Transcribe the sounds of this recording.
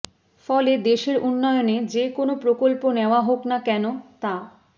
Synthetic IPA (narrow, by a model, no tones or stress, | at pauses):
fɔled̪eʃeɾunːɔeoned͡ʑekonopɾokolponeoaɦoknakɛnot̪a